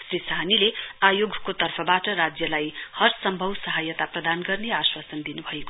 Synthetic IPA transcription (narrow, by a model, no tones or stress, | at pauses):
srisanileajoɡkot̪ʌrpʰʌbaʈʌɾad͡zjʌlajhʌrsʌmbʱʌwsʌɦajʌt̪aprʌd̪anɡʌrneaswasʌnd̪inubʱʌeko